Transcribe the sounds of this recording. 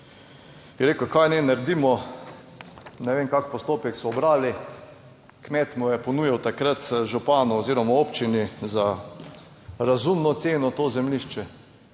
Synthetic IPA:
jɛɾeːkokajnɛnaɾd̪imɔ | nɛʋeːmkakpɔst̪oːpɛksɔːbɾaːli | kmɛt̪mɔjɛpɔnuːjawt̪akɾat̪ʒupaːnuɔziːɾɔmaoːpt͡ʃiniza | ɾazumnɔt̪seːnɔt̪oːzɛmliʃt͡ʃɛ

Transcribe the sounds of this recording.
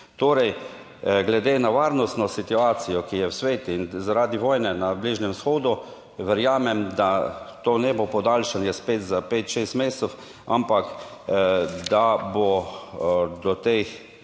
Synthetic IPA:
t̪oːɾɛj | ɡlɛd̪eːnaʋaːɾnɔst̪nɔsit̪uaːt̪sijɔkijɛwsʋeːt̪inzaɾaːd̪iʋɔːjnɛnabliːʒnɛmsxoːd̪u | ʋɛɾjaːmɛmd̪at̪oːnɛːbopɔd̪alʃanjɛspeːt̪zapeːt̪ʃeːst̪meːst̪sow | a̰mpak | d̪abo | d̪ɔt̪ex

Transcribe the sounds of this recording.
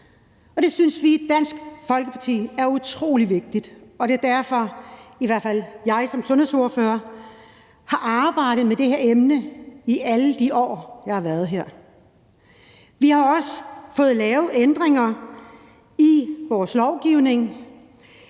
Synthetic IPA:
ɒ̽d̥e̝synsʋid̥æn̰sɡ̥fɒ̽lɡ̥əpʰɑ̈t͡sʰḭːæɐut͡sʰʁo̝̰ːliʋe̝ɡ̥̚d̥id̥ɒ̽d̥e̝ɐd̥æɐfɒ̽iʋæɐfæl̰jɑ̈ɪsɒ̽msɔ̽nhe̝ð̰ˠso̝ɐføːɐ | hɑ̈ʔɑ̈ːb̥ɑ̈ɪ̰ɾ̥ð̩ˠmed̥e̝he̝ɐemnəiʔæləd̥iʔɒ̰ːjɑ̈hɑ̈ʋæɐð̞̩ˠɦeɐ̰ | ʋihɑ̈ɒ̽səfɔ̽ːð̞̩ˠlɛːʊð̩ˠend̥ʁeŋɐ | iʋɒːslɒʊɡ̥iʊne̝ŋ

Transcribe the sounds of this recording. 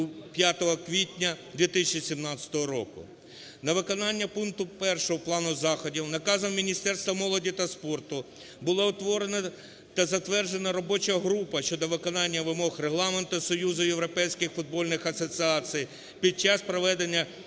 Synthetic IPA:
upʲjat̪ɔɦɔkʋʲitʲnʲɐd̪ʲʋʲit̪ɪsʲɪt͡ʃisʲimnɑt͡sʲɐ̥t̪ɔɦɔɾɔkʊ̰ | nɐʋɪkɔnɑnʲːɐpunk̚t̪ʊpɛrʃɔɦɔplˠɑnʊzɑxɔdʲiwnɐkɑzɐmmʲinʲist̪ɛrst̪ʋɐmɔlˠɔdʲit̪ɐspɔrt̪ʊ | bʊlˠɔʊt̪ʋɔɾenɐ | t̪ɐzɐt̪ʋɛrd͡ʒe̞nɐɾɔbɔt͡ʃɐɦɾupɐʃt͡ʃɔd̪ɔʋɪkɔnɑnʲːɐʋɪmɔxreɦlˠɑment̪ʊsɔjuzʊjeʋɾɔpɛjsʲkɪxfʊd̪̚bɔlʲnɪxɐsɔt͡sʲɪɑt͡sʲij | pʲid̪̚t͡ʃɑspɾɔʋɛd̪enʲːɐ

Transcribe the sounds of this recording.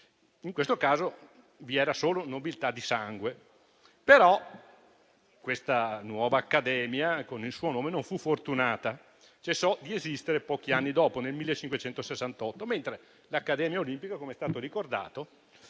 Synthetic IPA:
iŋkwest̪okaːzo | viɛːɾasoːlonobilt̪ad̪ːisaŋɡwe | peɾɔ | kwest̪anwɔːvaːkːad̪ɛːmjakonilsuːonoːmenoɱfufort̪unaːt̪a | t͡ʃesːɔd̪iezist̪eɾepɔːk̟ianːid̪ɔːponelmilːet͡ʃːiŋkwet͡ʃɛnt̪osesːant̪ɔt̪ːoment̪ɾe | lakːad̪ɛːmjaolimpikakomeɛst̪aːt̪oɾikord̪a̰ːt̪o

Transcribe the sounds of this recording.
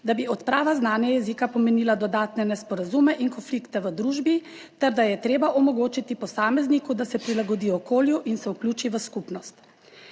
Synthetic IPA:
d̪abiɔt̪pɾaːʋaznaːnjɛjɛzikapɔmeniːlad̪ɔd̪aːt̪nɛnɛspɔɾazumɛʔinkɔnflikt̪ɛʋəd̪ɾuːʒbi | t̪ɛɾd̪ajɛt̪ɾeːbaʔɔmɔɡoːt͡ʃit̪ipɔsaːmɛznikud̪asɛpɾilaɡɔd̪iːɔkoːljuʔinsɛuklʲjuːt͡ʃiʋəskupnɔst̪

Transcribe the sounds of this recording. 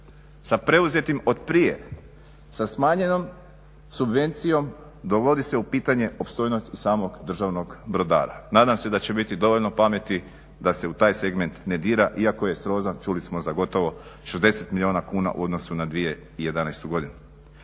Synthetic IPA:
sapɾe̞uze̞t̪imot̪pɾije̞̰ | sasmaːɲe̞no̞m | subʋe̞nt̪sijo̞m | d̪o̞ʋo̞d̪ise̞upiːt̪aɲe̞ʔopst̪o̞jnost̪isaːmo̞ɡd̪r̩ʒaʋno̞ɡbɾo̞d̪a̰ːɾa̰naːd̪amse̞d̪at͡ɕe̞bit̪id̪o̞ʋo̞ʎno̞pame̞t̪i | d̪ase̞ut̪aːjseɡme̞nt̪ned̪iːɾaʔiako̞je̞sɾo̞zant͡ʃulismo̞zaɡo̞t̪o̞ʋo̞ʃezd̪e̞set̪milioːnakuːna̰ʔṵo̞d̪no̞sunad̪ʋije̞ | ije̞d̪anajst̪uɡo̞d̪inu

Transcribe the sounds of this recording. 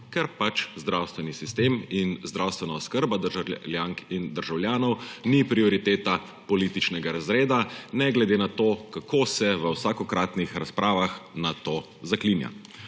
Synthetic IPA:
kɛɾpat͡ʃzd̪ɾawst̪ʋɛnisist̪eminzd̪ɾawst̪ʋɛnaɔskəɾbad̪ljaːŋkind̪əɾʒawljaːnɔwnipɾiɔɾit̪eːt̪a | pɔliːt̪it͡ʃnɛɡaɾazɾeːd̪anɛɡlɛd̪eːnat̪oːkakʰoːsɛʋəwsaːkɔkɾaːt̪nixɾaspɾʔaːʋaxnat̪oː | zakliːnja̰

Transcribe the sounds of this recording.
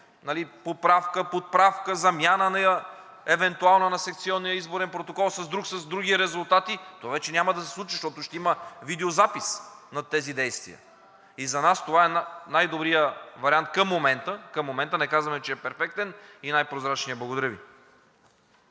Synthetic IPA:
nɐlipot̪̚pɾafkəpot̪̚pɾafkəzɐmʲjanənɐə | ɛvɛnt̪ualˠnənɐsɛk̚t̪siɔnːijəizboɾɛnpɾot̪okɔlˠsɐzd̪ɾuksɐzd̪ɾuɡiɾɛzulˠt̪at̪it̪ovavɛt͡ʃɛnʲamɐd̪ɐsɛ̥slˠut͡ʃiʃt̪ɔt̪ʊʃt̪ɛiməvid̪ɛozapisnɐt̪ːɛzid̪ɛjst̪vḭjə̰ | izɐnast̪ovaɛnnajd̪obɾijəvɐɾiant̪̚kəmːomɛnt̪əkɐmːomɛnt̪ənɛkazvɐmɛt͡ʃɛːpɛɾfɛk̚t̪ɛninajpɾozɾat͡ʃnijəblˠɐɡod̪ɐɾəvḭ

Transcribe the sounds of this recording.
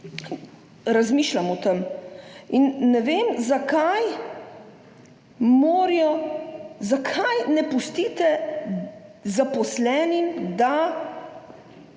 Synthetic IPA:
ɾazmiːʃlamɔt̪əm | inːɛʋeːmzakaj | moːɾijɔ | zakʰajnɛpust̪iːt̪ɛ | zapɔslɛːnimd̪a

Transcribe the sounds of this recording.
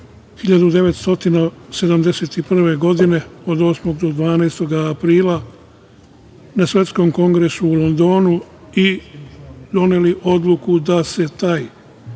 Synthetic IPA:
hiʎad̪ud̪e̞ʋe̞t̪st̪o̞t̪inase̞d̪amd̪e̞set̪ipr̩ʋe̞ɡo̞d̪ine̞o̞d̪o̞ːsmo̞ɡd̪o̞d̪ʋaːnejst̪o̞ɡaːpɾiːlˠa | nasʋʲe̞t̪sko̞mko̞ŋɡɾe̞suːlo̞nd̪o̞ːnu | i | d̪o̞ne̞liʔo̞d̪lˠukud̪ase̞t̪aːj

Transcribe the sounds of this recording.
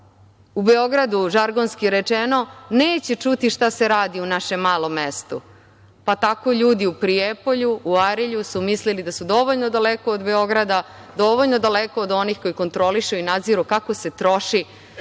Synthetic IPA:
ubeo̞ɡɾad̪uʒaɾɡonskiɾet͡ʃeno̞neːt͡ɕe̞t͡ʃut̪iʃt̪ase̞ɾaːd̪iunaʃe̞mːaːlo̞mːe̞st̪u | pat̪ako̞ʎuːd̪iupɾiepo̞ʎuːaɾiʎusumislilid̪asud̪o̞ʋoʎnod̪alekoːd̪be̞o̞ɡɾad̪a | d̪o̞ʋoʎno̞d̪alekoːd̪o̞nixko̞jiko̞nt̪ɾo̞liʃuinad̪ziɾukako̞se̞t̪ɾo̞ʃi

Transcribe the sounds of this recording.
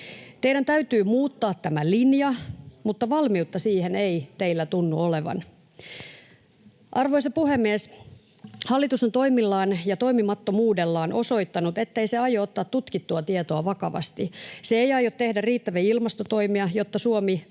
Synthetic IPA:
t̪eiɾænt̪æyt̪yːmuːt̪ːɑːt̪tæmælinjɑmut̪ːɑʋɑlmiut̪ːɑsiːheneit̪e̞ilːæt̪unːuoleʋɑ̰n | ʔɑrʋoisɑpuhemːies | hɑlːit̪usent̪o̞imilːɑːnjɑt̪o̞imimɑt̪ːomuːdelːɑːnʔo̞so̞it̪ːɑnut̪e̞t̪ːeiseɑjoot̪ːɑːt̪t̪ut̪kit̪ːuɑt̪iet̪oɑʋɑkɑʋɑ̰st̪iseejɑjot̪t̪ːe̞hdæriːt̪ːæʋiilmɑst̪ot̪oimiɑjot̪ːɑsuomi

